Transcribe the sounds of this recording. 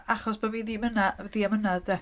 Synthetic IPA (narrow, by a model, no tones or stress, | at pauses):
aχɔsb̥oviːðiːmənaðiːamənadɛ